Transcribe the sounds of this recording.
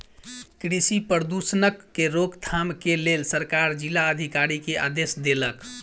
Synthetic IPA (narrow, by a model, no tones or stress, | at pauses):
kɾisipəɾd̪usnəkːeɾoɡt̪ʰamkelelsəɾkaɾd͡ʒilaəd̪ʱikaɾikeʔa̰d̪esd̪elək